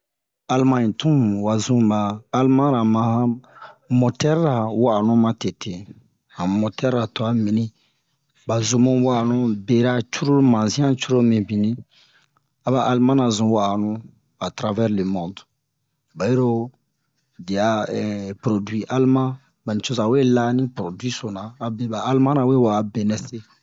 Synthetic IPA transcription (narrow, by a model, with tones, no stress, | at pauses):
a˨lmã˦ĩ˨tũ˦˨wa˨zũ˦baː˨˦lmã˦ɾa˨mã˨hã˦mo˨tɛ˦ɾɾa˨wa˦˨nũ˦mã˨te˨tʰe˨ | hã˨mo˨tɛ˦ɾa˨tɔ˨a˦mĩ˨nĩ˦ | ba˨zu˨mõ˦wa˦˨nũ˦be˨ɾa˦t͡ʃu˦ɾo˦mã˨zĩ˦ã˦t͡ʃu˦ɾo˦mĩ˨bĩ˨nĩ˦ | a˨ba˦ʔa˨lmã˦na˨zũ˨wa˦˨nũ˦ | a˨tɾa˦vɛ˦ɾle˨mɔ̃˨d | ba˨je˦ɾo˦ | di˨a˨ɛ˨pɾo˨dwi˦ʔa˦lmã˦ | ba˨nĩ˨t͡ʃo˦sa˨we˦la˦nĩ˦pɾo˨dwi˦so˨nãː˨be˦baː˨˦lmã˦na˨we˦wa˨a˨be˨nɛ˦se˦